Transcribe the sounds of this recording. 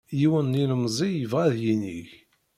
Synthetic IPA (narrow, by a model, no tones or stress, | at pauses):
jiwənːinəmzˤijəvʁæðjinḭç